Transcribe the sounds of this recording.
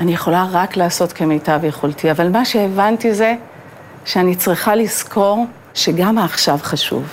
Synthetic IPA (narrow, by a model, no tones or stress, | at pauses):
ʔanijeχo̞laʁaklaːso̞tke̞mejtavjeχoltʰiavalmaʃeːvantize̞ | ʃeanit͡sʁiχaliskʰo̞ʁ | ʃe̞ɡamaːχʃavχaʃṵv